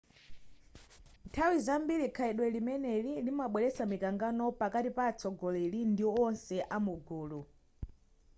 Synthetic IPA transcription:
ntʰawizambilikʰaɛɗwɛlimɛnɛlilimaɓwɛlɛsamikaŋɡanɔpakatipaːt͡sɔɡɔlɛlindiɔnsɛʔamuɡuːlu

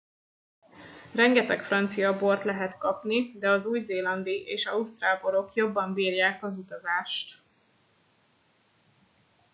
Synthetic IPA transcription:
rɛŋɡɛt̪ɛkfrɒnt̪sijɒbo̞rt̪lɛɦɛt̪kɒpnid̪ɛɒzuːjzeːlɒnd̪iʔeːʃɒust̪raːlbo̞ɾo̞kjo̞bːɒɱbiːrjaːkɒzut̪ɒzaːʃt̪

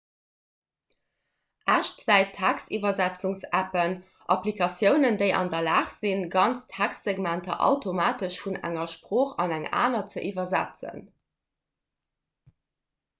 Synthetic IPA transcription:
ʔæʃtz̥æɪtʰːækstivɐzæt͡suŋsæpən | ʔɑplikʰɑsjəʊnəndeɪʔɑ̰ndɐlaːχz̥inɡɑnt͡stʰækstz̥eɡmæntɐ̰ʔɑ̰ʊtʰomaːtəʃfunæ̰ŋɐʃpʁoːχɑnæŋa̰ːnɐt͡səʔiːvɐzæ̰t͡sə̰n

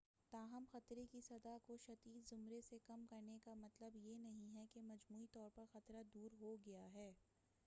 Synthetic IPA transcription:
t̪aːɦɐmxɐt̪ɾekisɐd̪akoʃɐd̪iːd̪zʊmɾesekɐmkɐɾnekamɐt̪ləbjenɐɦĩɦɛkemɐd͡ʒmuːit̪ɔːɾpɐɾxɐt̪ɾad̪uːɾɦoɡɐjaɦɛː

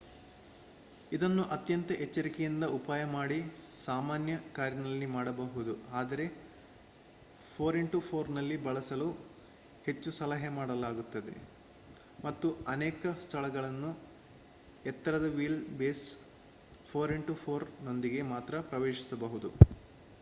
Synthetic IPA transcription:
id̪ɐnːuʔɐt̪jɐnt̪ɐʔet͡ʃːɐɾikɛjind̪ɐupaːjɐmaːɽisaːmaːnjɐkaːɾjɐnɐlːimaːɽɐbɐɦud̪uaːd̪ɐɾe̞ | pʰoːɾeɳʈupʰoːɾnɐlːibɐɭɐsɐlu | he̞t͡ʃːusɐlɐɦemaːɽɐlaːɡut̪ːɐd̪e̞̰ | mɐt̪ːuɐnɛːkɐst̪ʰɐɭɐɡɐɭɐnːu | ɛt̪ːɐɾɐd̪ɐʋiːlbeːs | pʰoːɾiɳʈupʰoːɾno̞nd̪iɡe̞maːt̪ɾɐpɾɐʋeːʃisɐbɐɦud̪u

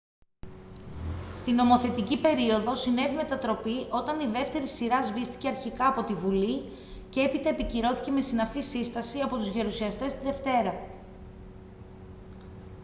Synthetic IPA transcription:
st̪ino̞mo̞θe̞t̪icipe̞ɾio̞ðosine̞vime̞t̪ɐt̪ɾo̞piʔo̞t̪ɐniðe̞ft̪e̞ɾisiɾɐzvist̪i̥ce̞ɐɾçikɐːpo̞t̪ivuli | ce̞epit̪ɐepiciɾo̞θice̞me̞sinɐfisist̪ɐsiɐpo̞t̪uzʝɐɾusiɐst̪e̞st̪iðe̞ft̪e̞ɾɐ

